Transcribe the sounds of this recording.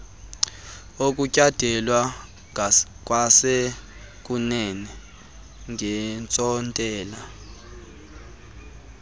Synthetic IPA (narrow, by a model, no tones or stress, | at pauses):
ok̬ʼucʼad̥ʱɛlwa | k̬ʼwasek̬ʼunɛnɛ | ŋʱɛnt͡sʼɔntʼɛːla